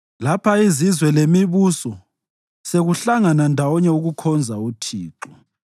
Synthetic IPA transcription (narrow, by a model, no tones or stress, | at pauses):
lapʰaizizwɛlemiβusɔ | seɣuɬaŋanandʱawɔɲɛuɣukʰɔnd͡zʱautʰiːǁɔ